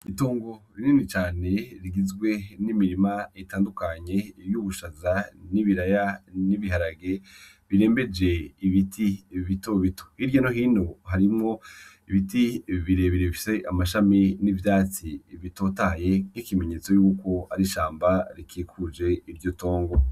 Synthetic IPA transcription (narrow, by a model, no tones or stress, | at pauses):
itoːŋɡo̞ɾiniːnit͡ʃaːne̞ɾiɡizɡwe̞nimiɾimaetaːndukaɲe̞juːβuʃazaniβiɾajaniβiɦaɾaɡe̞ | βiɾe̞ːmbe̞d͡ʒe̞iβitʰiβito̞βito̥hiɾjanoɦiːno̞ɦaɾimŋo̞ | iβitiβiɾe̞βeɾeβifi̥se̞ʔamaʃaminivjaːt͡siβito̞ːtaje̞nikime̞ɲe̞ːt͡so̞juːko̞aɾiʃaːmbaɾikiːkʰud͡ʒe̞iɾɟo̞to̞ːŋɡo̞